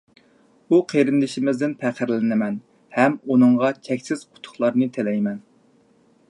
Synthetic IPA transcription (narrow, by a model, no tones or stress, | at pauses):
uqʰeɾɪnd̪ɪʃɪmɪzd̪ɪnpʰæqʰəɾlɪnɪmɛn | hɛmunɨŋʁɑt͡ʃʰɛkʲsɪz̥qʰʊ̥t̪ʰʊ̥χlˠɑɾnɨt̪ʰelɛjmɛn